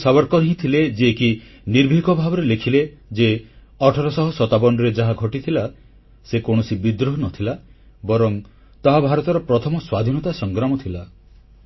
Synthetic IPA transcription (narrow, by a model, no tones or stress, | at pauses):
sabɔɾkɔɾɦĩt̪ʰiled͡ʒeːki | niɾbʱikɔbʱabɔɾelekʰiled͡ʒe | ɔʈʰɔɾɔsɔɦɔsɔt̪abɔɳɖɔɾed͡ʒaɦaɡʱɔʈit̪ʰila | sekõɔsibid̪ɾɔɦnɔt̪ʰila | bɔɾɔŋ | t̪aɦabʱaɾɔt̪ɔɾɔpɾɔt̪ʰɔmɔswad̪ʱinɔt̪asɔŋɡɾamɔt̪ʰila